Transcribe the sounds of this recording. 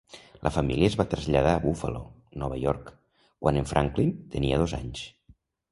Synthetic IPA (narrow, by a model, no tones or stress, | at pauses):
lʔəfamiliəzβat̪ɾəzʎað̞aːβufə̰lo | nɔβəjɔɾk | kwʔanəɱfɾʔaŋklint̪əniəðoza̰ɲs